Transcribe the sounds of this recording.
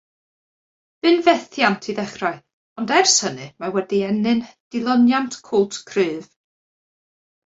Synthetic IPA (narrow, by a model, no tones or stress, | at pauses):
v̥ɨnvɛθjantʰiðɛχraɨ | ɔndɛrsənɨmawɛdiɛnɨnd̥ɪlˠɔnjantʰkʰʊlˠtʰkʰrɨːv̥